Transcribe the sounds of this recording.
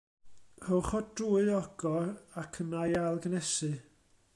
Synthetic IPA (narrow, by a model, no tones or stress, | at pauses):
rɔwχɔd̥ruːɨðɔɡ̥ɔɾakʰənajalˠɡənɛsɨ